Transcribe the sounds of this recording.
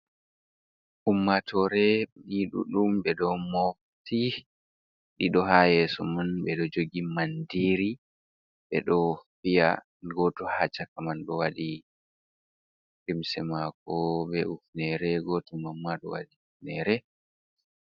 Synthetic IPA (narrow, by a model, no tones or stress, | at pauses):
ʔumːatʰɔɾɛɗiɗṵɗumbɛɗɔmof | ti | ɗiɗɔɦajɛsɔmanbɛɗɔd͡ʒoɡimandiɾi | bɛ̰ɗɔfija̰ | ɡɔtɔhat͡ʃakamanɗɔwaɗi | ɾimsɛmakɔbɛufnɛɾɛɡɔtumamːaɗɔ̰wa̰ɗiufnɛɾɛ